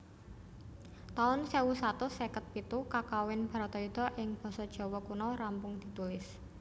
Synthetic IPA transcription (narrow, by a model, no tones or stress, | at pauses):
t̪aʊnsewusat̪ʊsɛkət̪̚pit̪ukakawɪnb̥a̤ɾat̪ɔid̪̥ɔ̤ʔɪŋb̥ɔ̤sɔd̥ʒ̥ɔ̤wɔkunɔɾampʊŋd̪̥i̤t̪ulɪs